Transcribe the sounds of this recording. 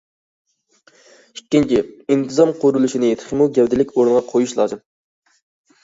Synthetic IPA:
ikʲːint͡ʃʰiint̪ʰɨzɑmqʰoɾulˠuʃinɪjet̪ʰɪ̥χɪmuɡʲɛwd̪ɪlɪkʲoɾɨnʁɑqʰojuʃlˠɑ̰ːzɨm

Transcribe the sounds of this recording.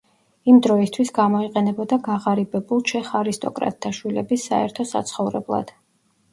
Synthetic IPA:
imd̪ɾɔist̪ʰwisɡamɔiqʼɛnɛbɔd̪aɡaʁaɾibɛbulˠt͡ʃʰɛχaɾist̪ʼɔkʼɾa̰t̪̚ʰːaʃwilɛbisːaɛɾt̪ʰɔsa̰t̪sʰχɔvɾɛ̰blˠa̰d̪̥

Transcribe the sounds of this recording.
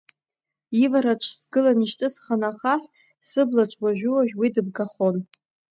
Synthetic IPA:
ivaɾaʈ͡ʂʷʰsɡɨlaniʃtʼɨsχanaχaħʷ | sɨblaʈ͡ʂʷʼwaʒᶣuwaʒʲᶣwidɨb̚ɡaχon

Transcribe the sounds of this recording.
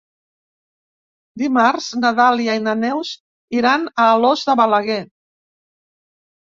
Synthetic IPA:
d̪imaɾz̥nəðaliajnənɛwz | iɾanəːlɔzðəβələɣe

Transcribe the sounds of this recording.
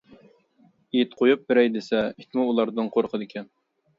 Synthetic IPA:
ijt̪qʰojup̚bɪɾɛjd̪ɪsɛit̪muːlˠɑɾd̪ɨɴqʰoɾqʰəd̪ɪkʲʰɛn

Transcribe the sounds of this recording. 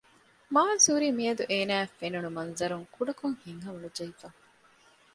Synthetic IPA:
maːnsuːɾiːmiɐd̪uʔeːnæːfenunumɐnzɐɾuŋkuɖɐkoŋhiŋɦɐmɐnud͡ʒɐifa

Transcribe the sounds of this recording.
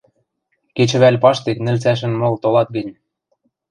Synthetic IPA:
ket͡ɕɘ̆βælʲpɑʃt̪eknɘ̆lt͡sæʃ̬ɘ̆nmolt̪olɑt̪̚ɡə̆nʲ

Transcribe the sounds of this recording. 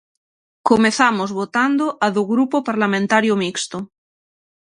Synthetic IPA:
komeθamozβot̪and̪oʔaðoɣɾupopaɾlamẽnt̪aɾjomikst̪o

